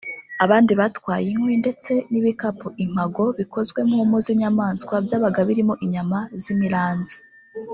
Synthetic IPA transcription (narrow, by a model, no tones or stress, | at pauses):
aβaːndiβatwaːjiŋwinde̞t͡se̞niβikapuʔim̥aɡo̞βikʰo̞zɡwe̞muːmuziɲamaːnsɡwabjaːβaɡaβiɾimoʔiɲamazimiɾaːnzi̥